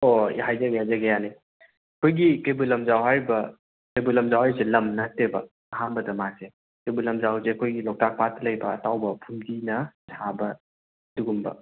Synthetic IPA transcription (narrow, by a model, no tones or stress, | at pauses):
oɦajzɐɡajzɐɡejani | ɐkʰojɡikejbulɐmzawɦaɾbɐ | kɐjbulɐmzawɦaɾselɐmnɐtːebɐ | ɐɦambɐdɐmase | kejbulɐmzawseɐkʰojɡilɔk̚tak̚patlɐjbɐːtawbɐpʰumdinɐsʰabɐ | duɡumbɐ̰